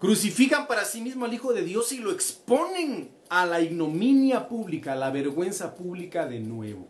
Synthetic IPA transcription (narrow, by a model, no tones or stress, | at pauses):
kɾusifikampaɾasimizmoalixoðe̞ðjo̞siloeksponeŋ | alaiɡnominjapuβlikalaβeɾɣwe̞nsapuβlikaðenwḛβo̰